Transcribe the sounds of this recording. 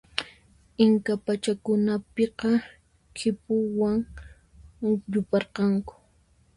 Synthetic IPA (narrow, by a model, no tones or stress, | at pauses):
ɪŋkapat͡ʃakʊnapeqɑ | kʰɪpʊwaŋ | ʎʊpɑɾqɑŋkʊ̥